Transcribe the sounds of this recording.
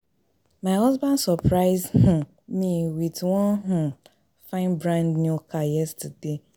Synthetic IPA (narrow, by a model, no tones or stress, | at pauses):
maɪɦɔzbãndsɔpɾaɪzhʊ | miwitwɔnɦʊ̃ | fãɪ̃nbɾãndnukajɛstade